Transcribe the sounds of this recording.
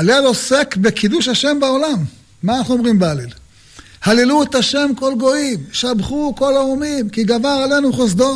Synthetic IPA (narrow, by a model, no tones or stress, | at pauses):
alelo̞sekbekid̪uʃhaʃe̞mbaolamː | aːnaχnuomʁimbealel | haliluet̪aʃe̞mko̞lɡo̞imʃabχuko̞laumimkiɡavaʁale̞nuχos̬d̪o